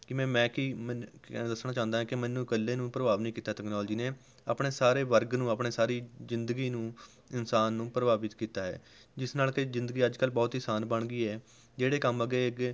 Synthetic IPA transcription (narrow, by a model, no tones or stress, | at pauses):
kɪmɛ̃ːmɛ̃ːkimd̪əsnaːt͡ʃãːnd̪aːɛ̃kɪmɛ̃ːnːũːkəlːeːnũːpɾəbaːʋnĩːkiːt̪aːt̪əknaːld͡ʒiːnẽː | əpɽeːsaːɾeːʋəɾɡnũːəpɳeːsaːɾiːzɪnd̪əɡiːnũː | ɪnsaːnːũːpɾəbaːbɪt̪kiːt̪aːɦɛ̰ː | d͡ʒɪsnaːlkɪzɪ̃nd̪əɡiːəd͡ʒkəlːbɔːt̪iːsaːnbəɳ̃ɡiːɛː | d͡ʒeːɽeːkəməɡeːɪk